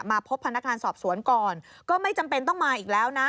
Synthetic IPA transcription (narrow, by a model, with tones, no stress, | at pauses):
maː˧pʰo˦˥pʰːnːa˦˥k̚ŋaː˧nsɔː˨˩p̚su˩˦ənkɔː˨˩n | kɔː˥˩ma˥˩jt͡ɕa˧mpe˧nt̪ɔ˥˩ŋmaː˧ʔiː˨˩k̚lɛː˦˥wna˦˥